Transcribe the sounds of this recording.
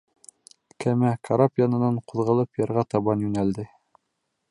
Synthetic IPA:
kæmækʰaɾapjɑnɤ̆nɑɴquðʁɤ̆lˠɤpjɑ̆ɾʁɑt̪ɑβɑnjɵnæld̪ɘ

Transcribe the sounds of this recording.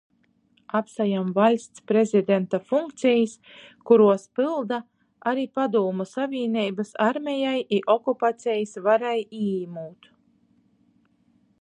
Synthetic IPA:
apsajamvalʲst̪spɾezid̪ʲent̪afuŋkt̪sijis | kuɾuɔspɨlˠd̪a | aɾiːpad̪uːmusavʲiːnʲijbasaɾmʲɛjajʔiʔɔkupat̪sʲɛjisvaɾajiimuːt̪

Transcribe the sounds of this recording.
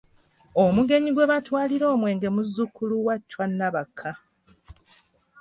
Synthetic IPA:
omuɡe̞ɲiɡweβatwaːliɾo̞ːmwe̞ːŋɡe̞muzːukuluwacːwanːaβakʰːa

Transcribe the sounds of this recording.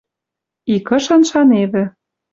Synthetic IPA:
ikɤ̆ʃɤ̆nʃɑneβɘ̆

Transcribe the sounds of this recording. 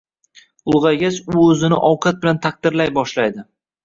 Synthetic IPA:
ʊlˠʁɑɡʲasʊɵzɪnɪ̰ʔɒwqʰɑt̪̚bɪlant̪ʰaq̚d̪̥ɪɾlajbɒʃlajd̪ɪ

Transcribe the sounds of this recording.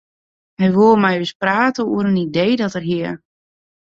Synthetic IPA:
hɛjʋuəmɛjøspraːtəuəɾənidejdɔtərɦiər

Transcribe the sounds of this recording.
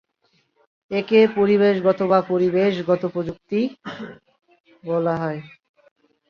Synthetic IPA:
ekepoɾiβeʃɡɔt̪obapoɾibeʃɡɔt̪opɾod͡ʑuk̚t̪i | bɔlaɦɔe

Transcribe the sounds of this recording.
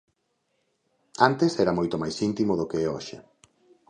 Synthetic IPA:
ant̪esɛɾamojt̪omajsint̪imoðokeeoʃe

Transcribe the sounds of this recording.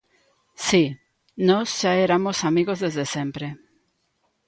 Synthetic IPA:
si | nɔsʃaeɾamosamiɣozðezðesempɾe

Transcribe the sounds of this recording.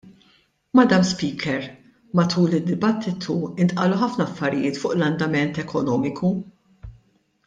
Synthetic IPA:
mɐd̪ɐmspiːkʰɛɾ | mɐt̪ʰuːlɪd̪ːɪbɐt̪ʰːɪt̪ʰuɪnt̪ʼʔɐluħɐfnɐɐfːɐɾɪjɪːt̪fʊːʔlɐnd̪ɐmɛnt̪ɛkʰɔnɔːmɪkʰu

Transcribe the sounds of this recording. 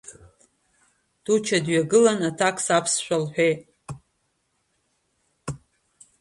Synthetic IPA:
d̥ut͡ʃʰadɥaɡɨlanatʰakʰʼsapʰsʃʷᶣalħʷᶣejtʼ

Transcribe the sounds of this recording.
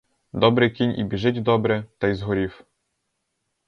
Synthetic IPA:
d̪ɔbɾɪkʲinʲʔḭbʲiʒɪdʲd̪ɔbɾɛt̪ajzɦɔɾʲiw

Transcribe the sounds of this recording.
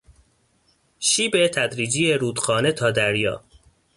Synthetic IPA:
ʃiːbet̪ʰæd̪ɾiːd͡ʒijeɾuːd̪xɒːnet̪ʰɒːd̪æɾjɒ̰ː

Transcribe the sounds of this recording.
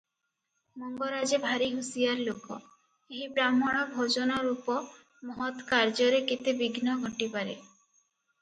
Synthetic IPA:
mɔŋɡɔɾad͡ʒebʱaɾiɦusijaɾlokɔ̰ | eɦibɾamɔɽ̃ɔbʱod͡ʒɔnɔɾupɔ | mɔɦɔt̪kaɾd͡ʒɔɾeket̪ebiɡʱnɔɡʱɔʈipaɾe

